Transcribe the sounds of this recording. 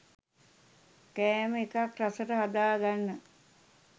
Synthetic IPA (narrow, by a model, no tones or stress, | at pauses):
kæːməekakrasəʈəɦad̪aːɡanːə